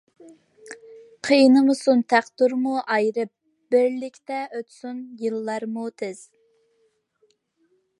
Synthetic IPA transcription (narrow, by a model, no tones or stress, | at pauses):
qʰəjnɨmɨsunt̪ʰæχt̪uɾmuʔɑjɾɨp̚ | bɪɾlɪkʲt̪ɛøt̪sunjɨlˠːɑɾmut̪ʰɪz̥